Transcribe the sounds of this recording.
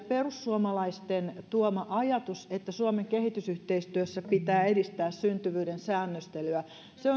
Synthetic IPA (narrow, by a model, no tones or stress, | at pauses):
perusːuomɑlɑist̪ent̪uomɑʔɑjɑt̪uset̪ːæsuomeŋkehit̪ysyht̪eist̪yøsːæpit̪æːedist̪æːssynt̪yʋyːɾensæːnːøst̪elyæ | seo